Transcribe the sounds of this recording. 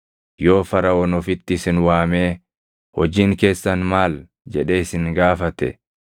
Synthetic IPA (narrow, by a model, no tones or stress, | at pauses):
jo̞ːfɐɾɐɔnɔfɪt̪ːɪsɪnwaːmeː | hɔd͡ʒiːŋke̞ːsːɐnmaːl | d͡ʒɛᶑe̞ːɪsɪŋɡaːfɐt̪ɛ̰